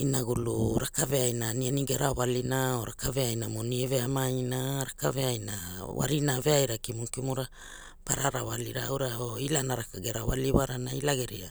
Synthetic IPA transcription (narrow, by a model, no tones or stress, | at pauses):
inaɡuluɾakaveajnanianiɡeɾʔawalinaoɾakaveajnamonieveamainaɾakaveajnawa̰ɾinaveajɾakimunkimuɾa | paɾaɾawaliɾaawɾaoilanaɾakaɡeɾawa̰liwaɾanailaɡeɾia